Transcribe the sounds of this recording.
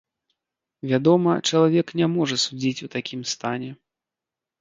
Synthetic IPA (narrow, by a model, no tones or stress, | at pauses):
vʲad̪ɔmɐt͡ʂɐlˠavʲɛknʲamɔʐɐsud͡zʲit͡sʲut̪akʲimst̪anʲɛ